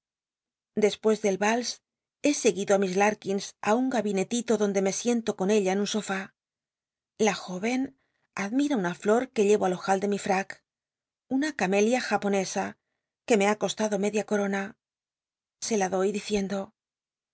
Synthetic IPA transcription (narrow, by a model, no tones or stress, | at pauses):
d̪e̞spwe̞zðe̞lβals | e̞se̞ɣiðoamizlaɾkinsauŋɡaβine̞t̪it̪o̞ðo̞nd̪e̞me̞sje̞nt̪o̞ko̞ne̞ʎaenunso̞fa | laxo̞βe̞n | aðmiɾaunaflo̞ɾke̞ʎe̞βalo̞xald̪e̞mifɾak | unakame̞ljaxapo̞ne̞sa | ke̞me̞ako̞st̪aðo̞me̞ðjako̞ɾo̞na | se̞laðo̞jðiθje̞nd̪o̞